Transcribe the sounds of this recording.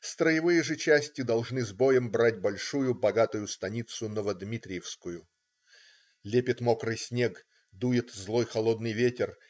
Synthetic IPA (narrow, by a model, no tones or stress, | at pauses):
st̪ɾəjɪvɨjɪʐɨt͡ɕæsʲtʲɪd̪ɐlˠʐnɨzbojəmbɾatʲbɐlʲʂujʊbɐɡat̪ʊjʊst̪ɐnʲit̪sʊnovəd̪mʲit̪ɾʲɪjɪfskʊjʊ | lʲepʲɪt̪mokɾɨjsʲnʲek | d̪ujɪt̪zlˠo̞jxɐlˠo̞d̪nɨjvʲetʲɪr